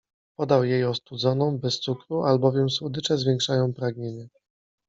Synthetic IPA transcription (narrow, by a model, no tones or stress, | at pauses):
pɔd̪awjejɔst̪ud̪zɔnɔ̃w̃bɛst̪sukɾuʔalbɔvʲjɛmswud̪ɘt͡ʂɛzvʲjɛŋkʂajɔ̃w̃pɾaɡɲeɲɛ